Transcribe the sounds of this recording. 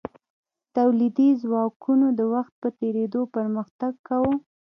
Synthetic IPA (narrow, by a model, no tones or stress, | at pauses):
t̪awlid̪izwɑkʰunod̪əwaxt̪̚pət̪eɾed̪opəɾməxt̪aɡkawo